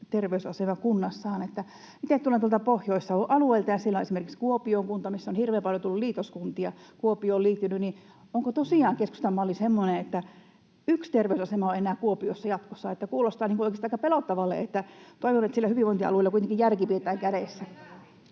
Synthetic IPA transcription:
t̪erʋeysɑsemɑkunːɑsːɑːnet̪ːæ | mit̪et̪ulent̪uolt̪ɑpohjoisːɑoʔʔɑlueilt̪ɑjɑsielæoʔesimerkikskuopioːŋkunt̪ɑmisːonhirʋeːmpɑljot̪ulːulliːt̪oskunt̪iɑkuopioːliːt̪ːynyni | oŋkot̪osiˑɑːŋkeskust̪elmɑolisemːoneet̪ːæ | ykst̪erʋeysɑsemɑõenæːkuopiosːɑjɑt̪kosːɑet̪ːækuːlost̪ɑːniŋkuoˑikest̪ɑikːɑpelot̪ːɑʋɑlːḛet̪ːæt̪oiʋonet̪silːæhyʋiˑʋoˑiniɑɑ̰luelɑkuit̪eŋkijærkipiet̪æːŋkæɾesːæ

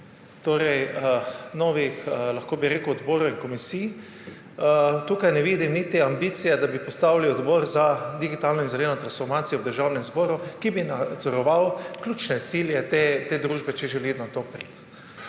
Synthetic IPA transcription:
t̪oːɾɛj | nɔːʋixlaxkoːbiɾeːkəwɔd̪boːɾuinkɔmisiː | t̪uːkajnɛʋiːd̪imnit̪eambiːt̪sijɛd̪abipɔst̪aːwliɔd̪bɔːɾzad̪iɡit̪aːlnɔinzɛleːnɔt̪ɾansfɔɾmaːt̪sijɔwd̪əɾʒawnɛmzbɔːɾukibinad̪zɔɾɔʋawklʲjuːt͡ʃnɛt̪siljɛt̪et̪eːd̪ɾuːʒbɛt͡ʃɛʒɛlid̪nat̪opɾḭt̪

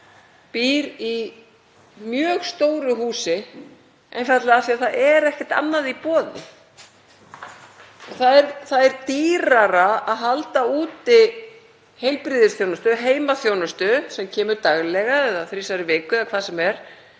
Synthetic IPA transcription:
piːɾi | mjœːɣst̪oːwɾʏhuːsɪ | ḛjnfat̪lɪaθiaθaɛɾɛhcɪ̥t̪a̰nːaðipɔːðɪ̰ | ɔθaðɛɾθaðɛɾt̪iːɾaɾaaðɦalt̪auːt̪ɪ | hejlpɾiːðɪsθjownʏst̪ʏɦeːjmaθjownʏst̪ʏsɛmcʰɛːmʏɾt̪aɣlɛɣaɛðaθɾisaɾɪvɪːkʏðakʰvaːðsɛmɛɾ̥

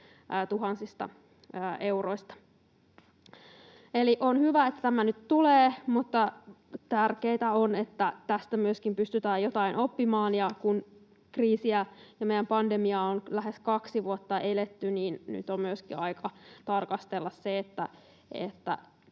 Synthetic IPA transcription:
t̪uɦɑnsist̪ɑ̰ | əːʔeuroist̪ɑ̥ | eliʔonhyʋæet̪ːæ̥t̪æmænyt̪t̪uleːmut̪ːɑ | t̪ærkeit̪æonet̪ːæt̪æst̪æmyøskimpyst̪yt̪æːjjot̪ɑinʔopːimɑːnjɑkun | kriːsiæjɑmejːæmpɑndemiɑonlæheskɑksiʋuot̪ːɑʔelet̪ːyniːnny̰t̪ommyøskḭɑikɑt̪ɑrkɑst̪elːɑsseet̪ːæ̰ | ḛt̪ːæ̰

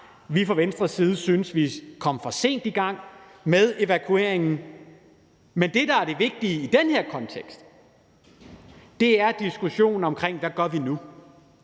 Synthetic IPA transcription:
ʋifʁɒʋensd̥ʁɐsiːð̞̩ˠəsynəsʋikʰɒ̽m̰fɒ̽se̝̰ːnd̥iɡ̥ɑ̈ŋ̰ | með̞ˠe̝ʋækʰue̝̰ɐeŋn̩ | mend̥e̝d̥ɑ̈æɐɾ̥e̝ʋe̝ɡ̥̚d̥iəid̥enheɐ̰kʰɒ̽nt͡sʰeɡ̥sd̥ | d̥e̝æɐd̥isɡ̥uɕo̝̰ːn̩ɒ̽mkʰʁeŋ̰ʋæɡ̥ɶɐʋinu

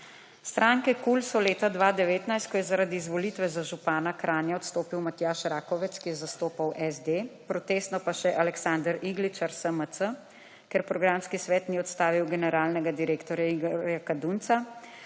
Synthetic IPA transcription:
st̪ɾʔaŋkɛkulsɔleːt̪ad̪ʋad̪ɛʋeːt̪najst̪̚kɔjɛzaɾad̪iːzʋɔlit̪ʋɛzaʒupaːnakɾʔaːnjaɔt̪st̪oːpiwmat̪jaːʃɾaːkɔʋɛt̪skijɛzast̪oːpawʔɛzd̪epɾɔt̪eːst̪nɔpaʃɛʔalɛksand̪əɾiɡlit͡ʃaɾsəmət̪ə | kɛɾpɾɔɡɾamskisʋɛːt̪niɔt̪st̪aːʋiwɡɛnɛɾaːlnɛɡad̪iɾeːkt̪ɔɾjaiɡɾjakad̪unt̪sa

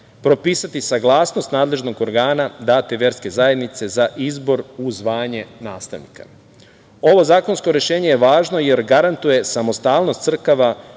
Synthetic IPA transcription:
pɾo̞piːsat̪isaɡlˠaːsno̞st̪naːd̪le̞ʒno̞ɡoɾɡaːnad̪aːt̪eʋje̞ɾske̞zaje̞d̪nit̪se̞zaʔizbo̞ɾuzʋaːɲe̞naːst̪a̰ʋnḭka̰ | o̞ʋo̞zaːko̞nsko̞ɾje̞ʃe̞ːɲejeʋaːʒno̞je̞ɾɡaɾant̪uje̞samo̞st̪aːlˠno̞st̪sr̩kaʋa

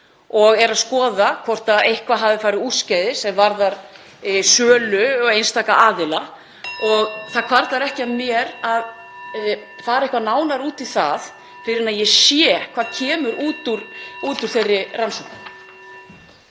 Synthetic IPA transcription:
ɔɣɛɾaðskɔːðakʰɔr̥t̪aðejhkvaɦaːvðɪfaːɾɪðuːscajðɪsɛmvaɾðaɾ | sœːlʏɣejnst̪ʰaːkaʔaːðɪla | ɔɣθakʰvaɾt̪laɾɛhcɪaðmjɛɾað | faːɾaehkvanaːwnaɾuːt̪iθa̰ð | fɪɾɪnaðjɛsjɛkʰvaːðcʰɛːmʏɾuːt̪uɾ̥uːt̪uɾ̥θejrːɪransɔwhnʏm

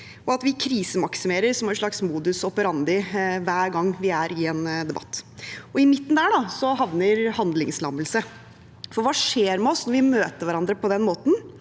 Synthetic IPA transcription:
ɔɑt̪ʋɪkʰɾiːsəmɑksɪmeːɾəɾsɔmæɾʂɭɑksmuːd̪ʉsɔpəɾɑnd̪ɪʋæːɾɡɑŋːʋɪæɾɪɛnd̪ɛbɑ̰t̪ːɔɪmɪt̪ːn̩d̪æːɖɑsɔɦɑʋnəɾhɑnd̪lɪŋslɑ̰məlsə | fɔɾʋɑːʂeːɾmɛɔsnɔɾʋɪmøːt̪əɾʋæɾɑnd̪ɾəpɔd̪ɛnmoːt̪n̩

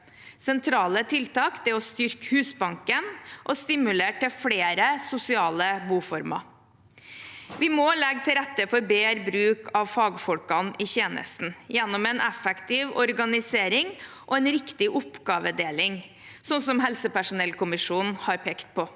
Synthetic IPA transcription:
sɛnt̪ʰɾɑːlət̪ʰɪlt̪ɑːkd̪ɛɔst̪ʏɾkhʉːsbɑŋkənʔɔst̪ɪmʉleːʈɪfɽeːɾəsʊsɪɑːləbuːfɔɾmɑ̰ | ʋɪmɔlɛɡt̪ʰɪɾɛt̪ːəfɔɾbeːɾbɾʉːkʰɑʋfɑːɡfɔlkɑnɪçeːnə̰st̪n̩jɛnːɔmɛnʔɛfɛkt̪ɪʋɔɾɡɑnɪseːɾɪŋ | ʔɔɛnɾɪkt̪ɪʔʊpɡɑːʋəd̪eːlɪŋ | sɔnsɔmɦɛlsəpæʂʊnɛlkʰʊmɪʂuːnn̩hɑɾpʰeːkt̪̚pʰɔ

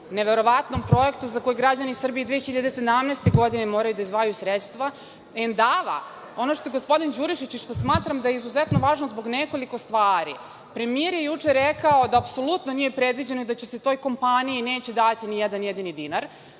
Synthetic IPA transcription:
neʋeɾo̞ʋat̪no̞mpɾo̞jekt̪uzako̞jɡɾad͡ʑanisr̩bijid̪ʋeːxiʎad̪ese̞d̪amnest̪eɡo̞d̪inemo̞ːɾajud̪aizʋajusɾet̪st̪ʋa | end̪aːʋa̰ | o̞noʃt̪oeɡospo̞d̪ind͡ʑuɾiʃit͡ɕʃt̪osmaːt̪ɾamd̪ajeizuzɛt̪noʋaːʒnozbo̞ɡneko̞liko̞st̪ʋaːɾḭ | pɾe̞mieɾjejut͡ʂeɾɛkaod̪aːpso̞lut̪no̞nije̞pɾed̪ʋid͡ʑe̞noid̪at͡ɕese̞t̪o̞jko̞mpaniineːt͡ɕed̪at̪inijɛd̪anjed̪inid̪inaɾ

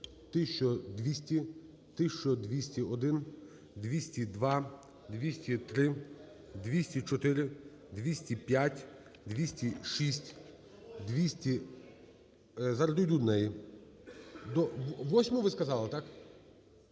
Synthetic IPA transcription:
t̪ɪʃt͡ʃɔd̪ʋʲisʲtʲi | t̪ɪʃt͡ʃɔd̪ʋʲisʲtʲiɔd̪ɪn | d̪ʋʲisʲtʲid̪ʋɑ | d̪ʋʲisʲtʲit̪ɾɪ | d̪ʋʲisʲtʲit͡ʃɔt̪ɪɾɪ | d̪ʋʲisʲtʲipʲjatʲ | d̪ʋʲisʲtʲiʃisʲtʲ | d̪ʋʲisʲtʲi | zɐɾɔd̪ʊdʲud̪nɛji | d̪ɔʋɔsʲmʊʋɪskɐzɑlˠɪt̪ɑk

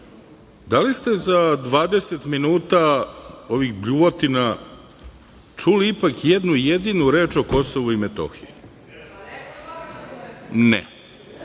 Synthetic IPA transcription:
d̪alist̪e̞zad̪ʋaːd̪eset̪minuːt̪ao̞ʋiɣbʎuʋot̪ina | t͡ʂuliipakjed̪nujed̪inuɾe̞ːt͡ʃo̞ko̞so̞ʋuimet̪o̰xii | nɛ̰

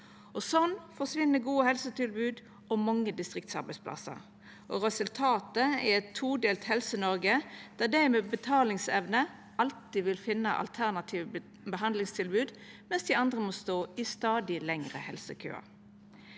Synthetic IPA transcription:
ɔsɔnfɔʁsʋɪnːəɡuːəhɛlsət̪ɪlbʉːd̪ | ɔmɑŋːəd̪ɪst̪ʁɪk̚t̪sɑ̰ɾbɛɪspʰlɑ̰sə̰ʁ | ʔɔʁɛsʉlt̪ʰɑːt̪əɛɛt̪ʰːuːd̪eːlt̪hɛlsənɔɾɡəd̪̥æːd̪æɪmɛbət̪ʰɑːlɪŋsɛʋnə | ɑlt̪iʋɪlfɪnːə̰ʔɑ̰lt̪ʰæʁnɑt̪ʰiːʋə | bəɦɑnd̪lɪŋst̪ʰɪlbʉːd̪mɛnsd̪ɪɑnd̪ʁəmɔst̪oːɪst̪ɑːd̪ɪlɛŋʁəhɛlsəkʰø̰ːɑ̰ɾ

